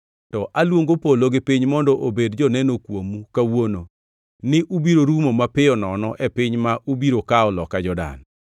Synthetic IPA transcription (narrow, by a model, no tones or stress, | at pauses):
tɔʔalwoŋɡopoloɡɪpiɲmɔndɔʔobedd͡ʒɔnɛnokwomukawono | nɪʔubiɾoɾumomapɪɔnɔnɔʔɛpɪɲmaʔubiɾokaɔlɔkad͡ʒɔda̰n